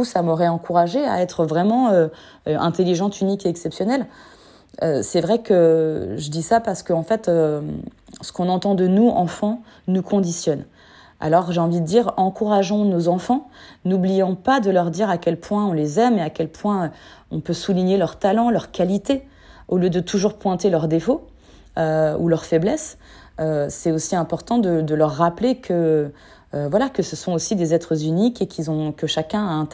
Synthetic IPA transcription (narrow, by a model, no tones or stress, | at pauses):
usamɔʁɛɑ̃kuʁaʒea̰ɛt̪χəvʁɛmɑ̃ø | ɛ̰̃t̪eliʒɑ̃t̪ynikeɛksɛpsjɔnɛl | ø̰sɛvʁɛkəʒəd̪isapaʁsə̥kəɑ̃fɛt̪øm | sə̥kɔ̃nɑ̃t̪ɑ̃d̪ənuʔɑ̃fɑ̃ | nukʰɔ̃d̪isjɔn | a̰lɔʁʒeɑ̃vid̪əd̪iʁɑ̃kuʁaʒɔ̃nozɑ̃fɑ̃nublijɑ̃pad̪əlœʁd̪iʁakʲɛlpwɛ̃ɔ̃lezɛmeakʲɛlpwɛ̃ɔ̃pøsuliɲelœʁt̪alɑ̃lœʁkalit̪e | oljød̪ət̪ʰuʒuʁpwɛ̃t̪elœʁd̪efo | øulœʁfɛblɛsøsɛt̪osiɛ̃pɔʁt̪ɑ̃d̪əd̪əlœʁːaplekʰəː | vwalakəsəsɔ̃osid̪ezɛt̪χəzynikekʲʰilzɔ̃kəʃakʲɛ̃aɛ̃